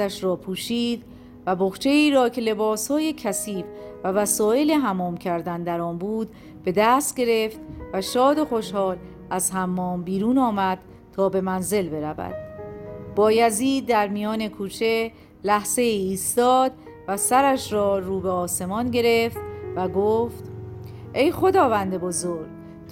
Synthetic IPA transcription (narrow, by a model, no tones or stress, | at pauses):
æʃɾɒːpʰuːʃiːd̪ | væboxt͡ʃʰe̞iːɾɒːcʰe̞le̞bɒːshɒːje̞cʰæsiːfvævæsɔːe̞leɦæmɒːmcʰæɾd̪ænd̪æɾɒːnbuːd̪ | b̥e̞d̪æst̪̚ɟe̞ɾe̞ft̪væʃɒːd̪oxoʃhɒːl | æzɦæmːɒːmbiːɾuːnɒːmæd̪̥̚ | t̪ʰɒːbe̞mænze̞lbe̞ɾævæ̰d̪̥̚b̥ɒːjæziːd̪̚ːæɾmijɒːne̞kʰuːt͡ʃʰe̞ | læhz̥e̞iːiːst̪ɒːd̪ | væsæɾæʃɾɒːɾuːbeɒːse̞mɒːnɟe̞ɾe̞ft̪væɡoːft̪ | ʔe̞jχo̞d̪ɒːvænd̪e̞bo̞zoːɾɡ